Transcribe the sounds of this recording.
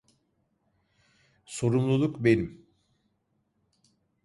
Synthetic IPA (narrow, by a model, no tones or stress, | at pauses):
so̞ɾumlˠulˠukbe̞nim